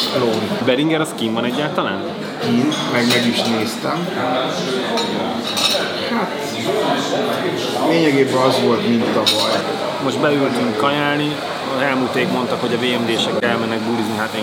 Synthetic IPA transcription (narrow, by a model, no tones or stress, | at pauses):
hɛloːbɛɾiŋɡɛɾɒskimvɒnɛɟːaːlt̪ɒlaːn | kinmɛɡmɛɡiʃneːst̪ɛm | hat̪ | leːɲɛɡeːbɛnɒzʋo̞lt̪mint̪ːɒvɒj | mo̞ʒd̪bɛylt̪yŋkɒjaːlni | zɛlmuːt̪eːkmo̞nt̪ɒkho̞ɟɒveːɛmd̪eːʃɛkɛlmɛnːɛɡ̚bulizniɦat̪eː